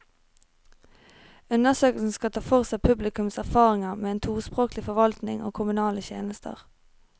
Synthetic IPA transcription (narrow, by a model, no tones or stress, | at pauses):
ʉnəsøːkəl̩sn̩skɑt̪ʰɑːfɔʁsæpʰʉblɪkʉmsæʁfɑːʁɪŋɑmeːeːnt̪ʰuːʁspʁoːklɪfɔʋɑlt̪nɪ̰ŋʔo̰ːkʰʊmʉnɑːləçjḛːnəst̪ʰə̰ʁ